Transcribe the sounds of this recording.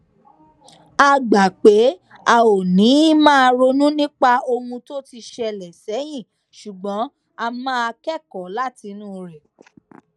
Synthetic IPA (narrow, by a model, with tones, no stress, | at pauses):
a˧ɡ͡ba˨k͡pe˨˦a˨o˨nĩ˨˦i˦mãː˦˧ɾo˧nũ˦nĩ˦k͡pa˧o˧hũ˧to˦ti˧ʃɛ˧lɛ˨sɛ˨˦j̃ĩ˦˨ | ʃu˨ɡ͡bɔ̃˨˦ | a˧mãː˦˧kɛ˦˨kɔ˨˦la˦ti˧nũː˦ɾɛ˨